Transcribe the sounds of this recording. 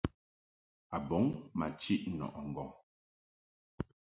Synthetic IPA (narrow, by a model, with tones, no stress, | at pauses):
a˨bɔ˨˦ŋma˨t͡ʃi˦ʔnɔ̰˨ʔɔ˨ŋ̩˨ɡɔ˨ŋ